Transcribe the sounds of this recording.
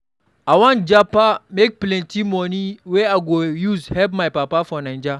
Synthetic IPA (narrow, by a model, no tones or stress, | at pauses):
ʔawãnd͡ʒapamek̚plɛ̃ntimɔniweaɡojuzhɛlpmajpapafɔnãnd͡ʒa